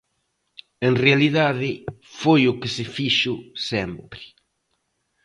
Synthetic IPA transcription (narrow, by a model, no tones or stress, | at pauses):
eŋrealiðaðɪfojʊkɪsɪfiʃʊsɛmpɾɪ̥